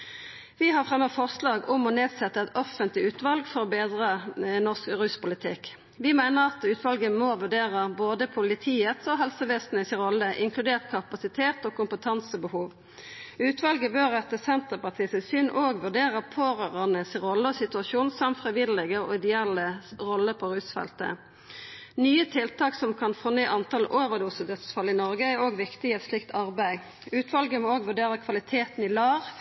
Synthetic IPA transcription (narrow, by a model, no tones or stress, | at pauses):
ʋɪɦɑʁfʁɛmːəfɔʁslɑːɡʊmɔneːd̪sɛt̪ːəɛt̪ɔfənt̪lɪʉːt̪ʋɑlɡfɔʁɔːbeːd̪ʁənɔʁskʁʉspʊlɪt̪ʰɪk | ʋɪmæɪnəʁɑt̪ʉːt̪ʰʋɑlɡəmoːʋʉʁɖ̪eːʁəboːd̪əpʰʊlɪt̪ʰiːət̪oɦɛlsəʋɛst̪nəsɪʁɔlːəʔɪŋkʰlʉd̪eːʁt̪kʰɑpɑsɪt̪ʰeːt̪oːkʰʊmpət̪ʰɑnsəbəhuːʋ | ʉːt̪ʋɑlɡəbøːʁɛt̪əsɛnt̪əpɑt̪ʰiːsɪsʏnʔoːɡʋʉʁɖ̪eːʁəpʰoːʁøʁənəsʁɔlːəɔsɪt̪ʉɑsuːnsɑmfʁɛʋɪllɛɡəɔ̰ɪd̪ɛɛləʁɔlːəpʰɔɾʉːsfɛ̰lt̪ə̰ | nyːət̪ʰɪlt̪ʰɑːksɔmkʰɑnfoːnyːʔɑnt̪ʰɑlʔoːʋəʁd̪uːsəd̪ət̪sfɑlːɪnɔʁɡəæɾoːɡʋɪkt̪ɪɛt̪slɪkt̪ʰɑʁbæɪ | ʉːt̪ʰʋɑlɡəmɔoːɡʋʉʁɖ̪eːʁəkʰʋɑlɪt̪ʰeːt̪n̩ɪlɑːʋ